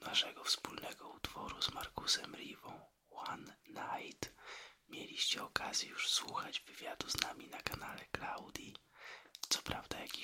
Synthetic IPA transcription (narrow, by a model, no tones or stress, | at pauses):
naʂɛɡɔfspulnɛɡɔut̪fɔɾuzmaɾkusɛmɾʲivɔ̃w̃ | wanːajt̪mʲjelʲiɕt͡ɕɛɔkazʲjɛjuʂswuxad͡ʑvɘvʲjad̪uznamʲinakanalɛklawd̪ʲji | t̪sɔ̥pɾavd̪ajakʲi